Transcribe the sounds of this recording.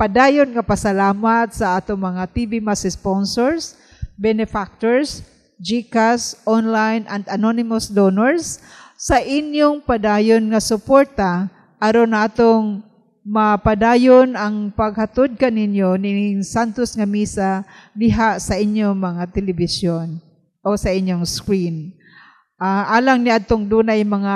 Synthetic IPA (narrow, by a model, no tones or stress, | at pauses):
pad̪aːjʊnŋapasalaːmat̪̚saʔaːt̪ʊŋmɐŋat̪ibimasɪsponsoɹs | bɛnɛfak̚t̪oɹs | d͡ʒikasʔonlajnʔand̪anonɪmʊsd̪onoɹsː | aʔɪnjʊŋpad̪ajʊnŋasʊpoɾt̪a | ʔɐɾonaːt̪oŋ | mɐpad̪aːjonʔɐŋpɐɡ̚hɐt̪ʊd̪̚kɐnɪnjonɪsant̪ʊsŋɐmiːsalɪɦaʔsɐʔɪnjoŋmɐŋat̪ɛlɪbɪsjon | ʔosɐʔɪnjoŋskɾin | ʔaʔaːlɐŋniʔad̪̚t̪oŋd̪uːnajmɐŋa